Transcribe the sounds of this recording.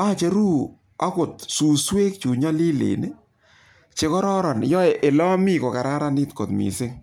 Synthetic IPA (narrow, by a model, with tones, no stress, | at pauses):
a˦t͡ʃe˨ɾu˦ | a˦ko˨tsu˨swe˦k̚t͡ʃu˨ɲa˦li˦lḛ˨ne˦ | t͡ʃe˦kɔ˦ɾɔ˦ɾɔ˨n˨jɔ˦e˨ʔe˨lɔ˦mi˦ko˨ka˨ɾa˦ɾa˦ni˦tko˨t̪mḭ˨sɪ˦ŋ